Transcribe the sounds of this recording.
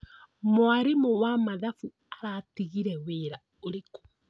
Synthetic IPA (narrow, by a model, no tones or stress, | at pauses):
moaɾemowamaðafu | aɾatiɣiɾɛweɾa | oɾeko̥